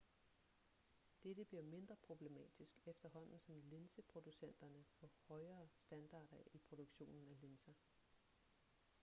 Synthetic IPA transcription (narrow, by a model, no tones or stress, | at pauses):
d̥ed̥əb̥liɐme̝nd̥ʁɐpʰʁo̝b̥le̝mɛ̰ːd̥isɡ̥efd̥ɐɦɒ̽n̰n̩sɒ̽mle̝nsəpʰʁo̝d̥usen̰d̥ɐnəfɒ̽hɒ̽ɪɐːsd̥ænd̥ɑ̰̈ːd̥ɐʔipʰʁo̝d̥oɡ̥ɕo̝̰ːnn̩æle̝nsæ